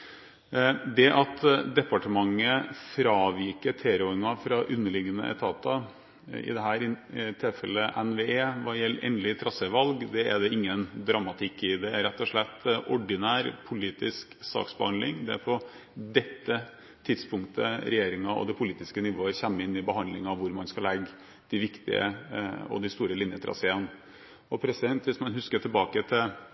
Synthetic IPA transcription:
d̪ɛʔɑt̪d̪ɛpɑʈəmɑŋːəfɾɑːʋɪkəʈ̪ʰeːɾɔɪŋɑfɾɑʔʉnːəɭɪɡənə̰ʔɛ̰t̪ʰɑːt̪ɑ | ɪ̰d̪ɛɦæːɾɪt̪ʰɪlfɛlːəʔɛnʋeːeːʋɑjɛlːʔḛːnlɪt̪ʰɾɑsəʋɑlɡd̪ɛæ̰d̪ɛɪŋːənd̪ɾɑmɑt̪ʰɪkːɪd̪ɛæɾɾɛt̪ːɔʂɭɛt̪ːʔɔɖɪnæːɾpʰʊliːt̪ɪsksɑ̰ːksbəhɑnd̪lɪ̰ŋd̪ɛæ̰ɾpʰɔ | d̪ɛt̪ːə | t̪ʰɪd̪spʊŋkt̪ʰə̰ɾɛjeːɾɪŋɑɔ̰d̪ɛpʰʊliːt̪ɪskənɪʋoːəçɛmːəɪnːɪbəhɑnd̪lɪŋɑʋʋʊɾmɑnskɑlɛɡ | d̪̥ɪʋɪkt̪ɪ̰ə̰ɔ̰d̪ɪst̪uːɾəlɪnjət̪ʰɾɑ̰seːən | ɔpʰɾɛsɪd̪ɛnt̪ʋɪsmɑnɦʉskəʈʰɪlbɑːkət̪ʰɪ

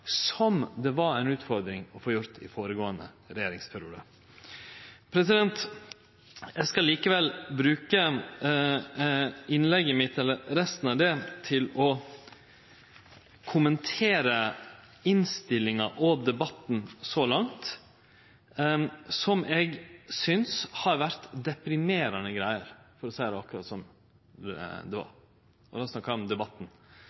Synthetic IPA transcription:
sɔmd̪ɛʋɑɾæɪnʉːt̪fɔɾd̪ɾɪŋɔfoːjʊɾt̪ɪ̰foːɾəɡoːənə̰ | ɾɛjeːɾɪŋspʰæɾɪuːd̪ə | pʰɾɛsɪd̪ɛnt̪ | ɛɡskɑliːkəʋɛlbɾʉːkə | ɪnlɛɡːəmɪt̪ɛlːəɾɾɛst̪n̩ɑʋd̪ɛt̪ʰɪlɔ | kʰʊmənt̪ʰeːɾə | ɪnst̪ɪlːɪŋɑʔɔd̪ɛbɑt̪n̩sɔlɑŋt̪ | sɔmɛɡsʏnshɑɾʋæɾt̪d̪ɛpɾɪmeːɾɑnəɡɾæɪəɾfɔɾɔsæɪd̪ɛɑkːʉɾɑ̰ːt̪sɔm | d̪ɛʋɑ̰ɾ | ʔɔd̪ɑsnɑkːɑɔmd̪ɛbɑt̪ːn̩

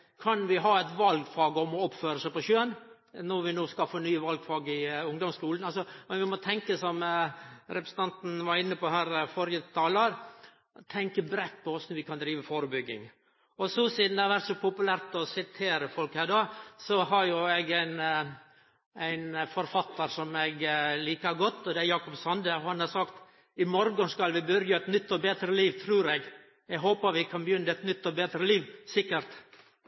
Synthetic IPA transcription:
kʰɑnʋɪɦɑːæɪt̪ʋɑlɡfɑːɡəɔmɔɔpføːɾəsæɪpɔʃøːən | nɔʋɪnoːskɑfənyːəʋɑlɡfɑːɡəɪʊŋd̪ɔmskuːlnɑlsɔmɛnʋɪmɔt̪ʰɛŋkəsɔm | ɾɛpɾəsən̩t̪ʰɑnt̪n̩ʋɑɾɪnːəpɔɦæːɾfɔɾjət̪ʰɑːləɾ | t̪ʰɛŋkəbɾɛt̪ːpʰɔɔsnɔɾʋɪkʰɑnd̪ɾiːʋəfoːɾəbʏɡːɪ̰ŋ | ɔsɔsiːd̪næʋæɾt̪sɔpʊpʉlæɾt̪ɔsɪt̪ʰeːɾəfɔlkhæːɖɑːsɔɦɑɾjʊɛɡæɪn | æɪnfɔɾfɑt̪ːəɾsɔmɛɡliːkɑɡɔt̪ːɔd̪ɛæjɑːkɔpsɑnd̪əhɑnhɑɾsɑkt̪ | ɪmɔɾɡɔnskɑlʋɪbœɾjɑɛt̪nʏt̪ːɔbeːd̪ɾəliːʋt̪ʰɾuːɾɛɡ | ɛɡɦoːpəɾʋɪkʰɑnbəjʏnːəɛt̪nʏt̪ːɔbeːd̪ɾəliːʋsɪkːəɾt̪

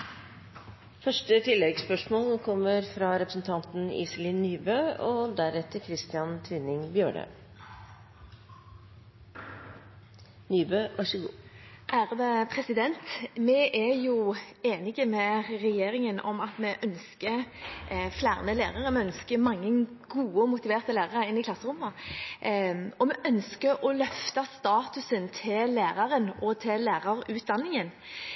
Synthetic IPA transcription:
fœʂʈət̪ʰɪlːɛɡspœʂmoːlkʰɔmːəɾfɾɑɾɛpɾəsn̩t̪ʰɑnt̪n̩ḭːsəlɪnyːbøːɔd̪æɾɛt̪ːəɾkʰɾɪst̪ɪɑnt̪ʰʋɪnɪŋbjøːɳə̰ | nyːbøːʋʔɑʂəɡṵːʔæːʁəd̪əpʰʁɛsɪd̪ɛnt̪mɛʔæjueːnɪɡəmɛɾɛjeːɾɪŋənʔɔ̰mɑt̪mɛʔœnskə | flæːʁnəleːʁɑɾəmɛœnskəmɑŋːəɡuːəmʊt̪ɪʋeːʁt̪əlæːʁɑʁəɪnːɪkʰlɑsːəʁʊmːə | ɔmɛʔœnskəɾɔlœft̪ɑst̪ɑːt̪ʉsənt̪ʰɪlæːʁɑɾənʔɔt̪ʰɪlæːʁɑɾʉːt̪̚d̪ɑnːɪŋən

